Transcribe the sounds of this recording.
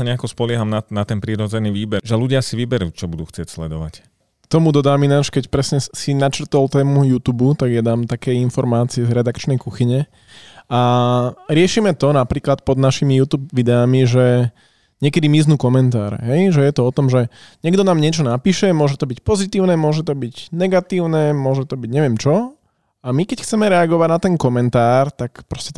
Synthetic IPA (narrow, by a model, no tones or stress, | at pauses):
saɲɛakɔspɔlɪɛɦamnanat̪ɛnpɾiɾɔd͡zɛniʋiːbɛʒɛluɟɪasiʋibɛɾṵːt͡ʃɔbud̪uːxt͡sɪɛcslɛd̪ɔʋa̰c | t̪ɔmud̪ɔd̪aːminaːʃkɛcpɾɛsɲɛsinat͡ʃrt̪ɔlt̪ɛːmujuːt̪uːbut̪aɡjad̪aːmt̪akɛjinfɔɾmaːt͡siɛzɾɛd̪akt͡ʃnɛjkuxiɲɛ | a | ɾɪɛʃimɛt̪ɔnapɾiːklat̪pɔd̪naʃimijuːt̪uːb̚ʋid̪ɛamiʒɛ | ɲɪɛkɛd̪imiznuːkɔmɛnt̪a̰ːɾɛ̰ɦɛjʒɛjɛt̪ɔɔt̪ɔmʒɛɲɛɡd̪ɔnaːmɲɪɛt͡ʃɔnapiːʃɛmʊɔʒɛt̪ɔbicpɔzit̪iːʊnɛmʊɔʒɛt̪ɔbiɟnɛɡat̪iːʊnɛmʊɔʒɛt̪ɔbiɟɲɛʋɪɛmt͡ʃɔ | amikɛcxt͡sɛmɛɾɛaɡɔʋaɟnat̪ɛnkɔmɛnt̪aːɾt̪akpɾɔscɛt̪